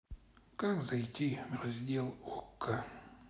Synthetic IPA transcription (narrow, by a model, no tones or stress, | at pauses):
kakzɐjtʲivrɐzʲdʲelˠokːə